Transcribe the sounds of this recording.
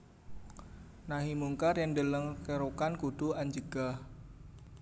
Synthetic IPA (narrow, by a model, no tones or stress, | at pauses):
naɦimuŋkarjandələŋkəɾukankuɖ̪̥uaɲd͡ʒəɡ̥ah